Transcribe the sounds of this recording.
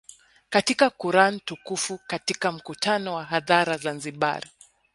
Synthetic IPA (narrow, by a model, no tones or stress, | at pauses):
katikakuɾanitukufukatikam̩kutanɔwaɦaðaɾazanziɓa̰ɾi